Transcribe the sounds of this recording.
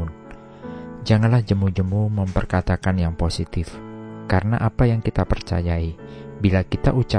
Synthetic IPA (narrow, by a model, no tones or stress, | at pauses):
ʊn | d͡ʒaŋanlahd͡ʒəmud͡ʒəmuməmpərkat̪akanjaŋposit̪ɪfkaɾənaʔapajaŋkit̪apərt͡ʃa̰jaibilakit̪aʔut͡ʃa